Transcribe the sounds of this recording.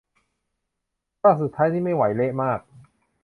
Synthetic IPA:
taː˥˩su˨˩t̪ʰːaː˦˥jt̪ʰiː˥˩ma˥˩jwa˩˦jle˦˥ʔmaː˥˩k̚

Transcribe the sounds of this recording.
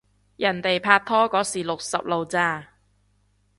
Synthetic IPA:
jɐ˨˩nt̪e˨jpʰaː˧t̚t̪ʰɔː˥kɔː˨˥siː˨˩lʊ˨k̚sɐ˨p̚lo˨wt͡saː˧˥˩

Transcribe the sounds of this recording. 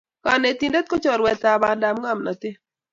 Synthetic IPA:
ka˨ne˨t̪i˨nde˦t̪̚ko˦t͡ʃɔ˨ɾwɛ˨t̪a˨ba˨nda˨mŋa˦˨mna˨t̪ɪ˦

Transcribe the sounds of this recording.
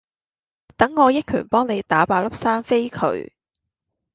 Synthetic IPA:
t̪ɐ˨˥ŋːɔː˨˧jɪ˥t̚kʰy̰ː˨˩npɔː˥ŋne˨˧jt̪aː˨˥paː˨˧lɐ˥p̚saː˥nfe˥jkʰɵ̰˨˧˥ɥ

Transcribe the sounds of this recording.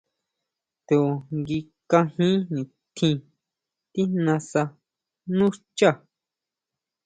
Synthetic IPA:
t̪u˨ŋɡi˧ | kã˧hĩ˦nĩ˨ | t̪ʰĩ˧ | t̪i˦nã˧sa˧ | nũ˦t͡ʃa˦˨

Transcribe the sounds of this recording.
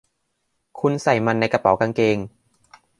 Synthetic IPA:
kʰu˧nsa˨˩jma˧nːa˧jka˧pa˨˩˦wka˧ŋkeː˧ŋ

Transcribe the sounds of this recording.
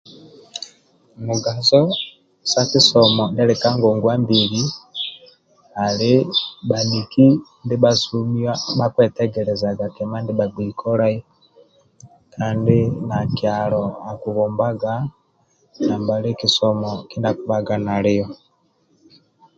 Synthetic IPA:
mu˨ɡa˨zɔ˦ | sa˦ki˦sɔmɔ˨ndɛ˦lɛ˨ka˦ŋɡɔ˨ŋɡwa˦mbi˨ɾi˦ | a˨li˦ɓa˨ni˨ki˦ndi˦ɓa˦su˦mi˦wa˦ɓa˦kwɛ˨tɛ˦ɡɛɾɛza˨ɡa˨kɛ˨ma˦ndi˦ɓa˨biː˨kʰɔ˦ɾa˦i˦ | ka˦ndi˦nakia˨lɔ˨a˨ku˨βɔ˨mba˦ɡa˦ | na˨mba˨li˦ki˨sɔ˨mɔki˦nda˨ku˨βa˨ɡa˨na˨li˦ɔ˨

